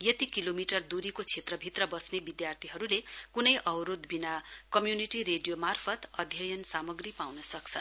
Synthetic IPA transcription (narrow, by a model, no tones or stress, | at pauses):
jʌt̪ikilomiʈʌrd̪uɾikot͡sʰet̪rʌbʱit̪rʌbʌsnebid̪jart̪ʰiɦʌɾulekunʌjʔʌwɾod̪binakʌmjuniʈiɾeɖijomarpʰʌt̪ʌd̪ʱjʌjʌnsamʌɡripawnʌsʌk̚t͡sʰʌn